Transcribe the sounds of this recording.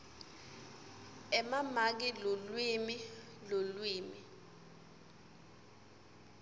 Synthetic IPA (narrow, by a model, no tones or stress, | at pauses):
ɛmamak̬ilolwimi | lolwiːmi